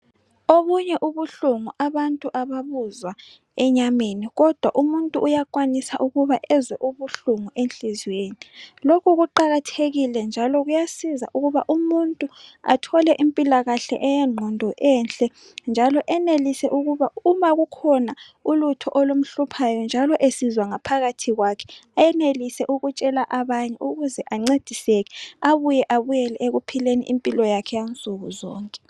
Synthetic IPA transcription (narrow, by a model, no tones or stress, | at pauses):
oβuɲɛʔuβuɬuŋuʔaβantʼuʔaβaβuzwa | ɛɲameniɣɔd̥ʱwa̰ʔumuntʼuʔːjakwanisaʔuɣuβaʔɛzwɛʔuβuɬuŋuʔent͡ɬʼizweːnilokʰuɣuǃaɣatʰeɣilɛnd͡ʒʱalɔɣujasiza̰ʔuɣuβaʔumuntʼua̰tʰɔlɛʔimpʼilaɣaɬɛ̰ʔɛjɛŋ͡ǃʱɔndʱɔʔɛnɬʼɛ | nd͡ʒʱalɔʔɛnelisɛʔuɣuβaumaɣukʰɔna | ulutʰɔʔolum̩ɬupʰajɔnd͡ʒʱalɔʔesizwaŋapʰaɣatʰiɣwakʰɛ̥ajɛnelisɛʔuɣut͡ʃʼɛlaʔaβaɲɛʔuɣuzɛʔaŋ͡ǀed̥ʱiseɣɛaβujɛʔaβujɛlɛeɣupʰilenḭʔimpʼilɔjakʰɛjant͡sʼuɣuzɔːŋkʼɛ